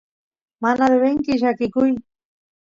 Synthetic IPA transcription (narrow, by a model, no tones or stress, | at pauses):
manaðeβeŋkɪʃ̬akɪkʊj